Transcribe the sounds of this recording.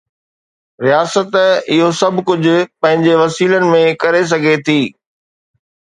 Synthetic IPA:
ɾijaːsət̪ɪɦosɐbʱkʊd͡ʑʱʊ̆pɐ̃ɦɪ̃ɲd͡ʑeʋɐsiːlənɪ̆mẽkɐɾes̬ɐɡʱet̪ʰiː

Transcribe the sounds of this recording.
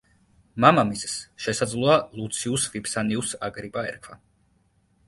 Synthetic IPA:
mamamissʃɛsad̪zlˠɔalˠut̪sʰiusvipsaniusaɡɾipʼaɛ̰ɾkʰvwa

